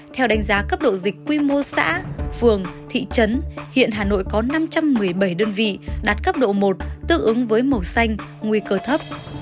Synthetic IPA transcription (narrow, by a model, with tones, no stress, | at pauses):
t̪ʰɛ˧wɗa˨˦ŋ̟zaː˨˦kə˦˥p̚ɗo̰˧˨zï˨˩k̟̚kːwi˧mo˧sa̰ː˧˥fɨ˨˩əŋt̪ʰḭ˧˨t͡ɕə˨˦nhḭ˧˨ənɦaː˨˩no̰˧˨jkɔ˨˦na˧mt͡ɕa˧mːɨ˨˩əjɓə˧˩jɗəː˧nvḭ˧˨ɗaː˨˩t̚kə˦˥p̚ɗo̰˧˨mo˨˩t̚t̪ɨ̰˧˥ʔɨ˨˦ŋvəː˨˦jmə˨˩wsa˧jŋ̟ŋwi˧kəː˧t̪ʰə˦˥p̚